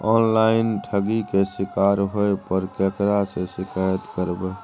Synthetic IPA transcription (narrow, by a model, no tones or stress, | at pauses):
ɔːnlaɪnʈʰəɡikesɪkaːɾɦoepəɾkekɾaseʃɪkaːjət̪kəɾbe